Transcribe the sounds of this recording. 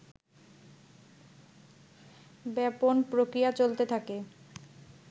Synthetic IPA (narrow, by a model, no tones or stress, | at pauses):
bɛponpɾokɾijat͡ɕolt̪et̪ʰake